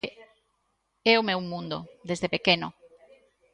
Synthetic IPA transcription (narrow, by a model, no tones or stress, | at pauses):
ɛomewmũnd̪o̰d̪ezðepekeno